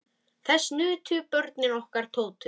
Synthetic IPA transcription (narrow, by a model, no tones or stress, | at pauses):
θɛsːnʏːt̪ʰʏpœɾt̪̚nɪnɔhkaɾ̥t̪ʰoːwt̪ʰʏ